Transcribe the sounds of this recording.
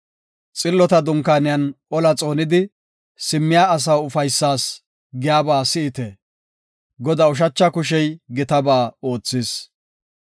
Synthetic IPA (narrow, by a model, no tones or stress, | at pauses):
t͡sʼɪlːɔt̪ɐd̪ʊŋkaːnɪjɐnʔɔlɐt͡sʼo̞ːnɪd̪ɪ | sɪmːɪjaːs̬ɐwʊfɐjsːaːs | ɡɪjaːbaːsɪɪt̪ɛ | ɡɔd̪ɐʊʃ̬ɐt͡ʃːɐkʊʃ̬ɛjɡɪt̪ɐbaːoːt͡sːɪs